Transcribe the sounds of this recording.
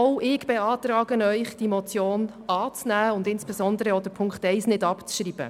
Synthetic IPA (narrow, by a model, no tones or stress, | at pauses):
owʔɪɡ̥b̥ɛɑːt̪ɾɑːɡənœʏχd̥imɔt͡sjoːn | ɑːt͡snæːʊndɪnsb̥ɛzɔndəɾəɔd̥əpʰʊŋkχtɛɪsnɪdɑpt͡sʃriːb̥ə̰